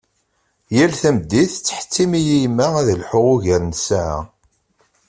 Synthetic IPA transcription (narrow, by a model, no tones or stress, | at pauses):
jælθæmd̪ːiθt͡sːə̥ħə̥t͡sːimijijmːææðəlħoʁuʝəɾnsaʕa̰